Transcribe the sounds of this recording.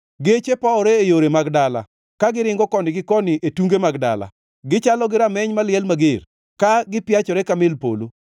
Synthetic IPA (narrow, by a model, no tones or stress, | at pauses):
ɡet͡ʃepaɔɾeejoɾemaɡdala̰ | kaɡɪɾɪŋɡɔkɔnɪɡɪkɔnɪʔetuŋɡemaɡda̰la̰ | ɡɪt͡ʃalɔɡɪɾamɛɲmalɪɛlmaɡer | kaɡɪpjat͡ʃɔɾɛkamɪlpo̰lo